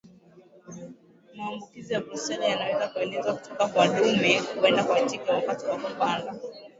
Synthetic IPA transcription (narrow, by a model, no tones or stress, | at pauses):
maːmbukizijabɾusɛlijanawɛzakuɛlɛzwaku̥tʰɔkakwaɗumɛkuɛndakwat͡ʃikɛwakatiwakupanda